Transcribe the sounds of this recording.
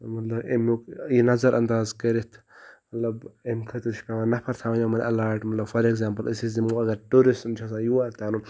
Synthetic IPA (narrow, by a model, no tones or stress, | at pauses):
mɐt̪lɐbḛmukjinɐzɐɾʔɐ̰nd̪aːzkɐɾit̪ʰ | mɐt̪lɐbemkʰɐt̪ɨt͡ʃʰkaʋɐnɐpʰɐɾt̪ʰaːʋɐɲamɐn̰ɐlaːɾʈmɐt̪lɐbfʰɐɾekzaːmpɐlɐsiszimuɐɡɐɾʈuɾismt͡ʃʰas̬ãːjuaɾt̪aːnu